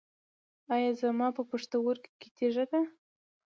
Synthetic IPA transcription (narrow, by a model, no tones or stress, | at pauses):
ɑjɑzamɑpəpəʂt̪awoɾkket̪ʰeʒad̪a